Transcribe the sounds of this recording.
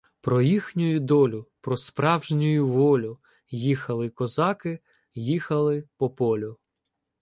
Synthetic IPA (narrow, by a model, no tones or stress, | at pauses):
pɾɔjixnʲʊjʊd̪ɔlʲʊpɾɔspɾɑwʒnʲʊjʊʋɔlʲʊ | jixɐlˠɪkɔzɑkɪ | jixɐlˠɪpɔpɔlʲʊ